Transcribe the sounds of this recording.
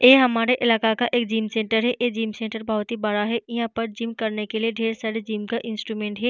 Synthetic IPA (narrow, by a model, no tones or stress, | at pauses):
eːɦɐmaːɾeʔɪlaːkakaʔeːkd͡ʒiːmsẽːɳʈəɾɦɛʔeːd͡ʒiːmsẽːɳʈəɾbɐɦʊt̪ɦibɐɾaɦɛʔɪɦãpɐɾd͡ʒiːmkɐɾnekelieɖʱeːɾsɐɽd͡ʒiːmkaʔɪ̃nsʈɾuːmẽːɳʈɦɛ